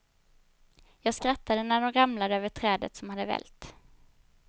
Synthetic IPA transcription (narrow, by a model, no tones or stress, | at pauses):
jɑːɡskɾat̪ʰːad̪ənæɖɔnɾamlad̪əøːvəʈʰɾɛːd̪ə̰t̪sɔmhad̪əvɛ̰lt̪